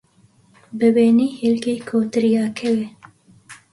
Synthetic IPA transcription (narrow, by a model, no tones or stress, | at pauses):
bɨbeːniːhilkeːkʰoːt̪ɨɾijɑːkʰɛwe